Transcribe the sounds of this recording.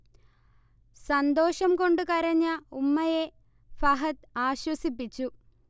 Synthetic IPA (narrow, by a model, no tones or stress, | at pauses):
sɐnd̪o̞ːʂɐmko̞ɳɖɨkɐɾɐɲːɐumːɐje | fɐɦɐt̪aːɕwɐsipːit͡ɕːu